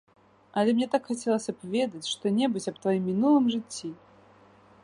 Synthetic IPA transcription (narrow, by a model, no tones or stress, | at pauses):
ɐlʲɛmnʲɛt̪akxat͡sʲɛlˠɐsʲɐpvʲɛd̪ɐt͡sʲʂt̪ɔnʲɛbɨt͡sʲɐpt̪vajimːʲinulˠɨmʐɨt͡sʲːi